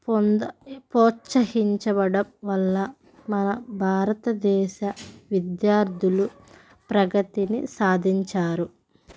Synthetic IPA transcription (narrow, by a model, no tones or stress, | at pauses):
pnpɔːt͡ʃɐɦiɲt͡ʃɐbɐɽɐmʋɐlːɐ | mɐnɐbʱaːɾɐt̪ɐd̪ɛːʃɐʋid̪jaːɾd̪ʱulu | pɾɐɡɐt̪inisaːd̪ʱiɲt͡ʃaːɾu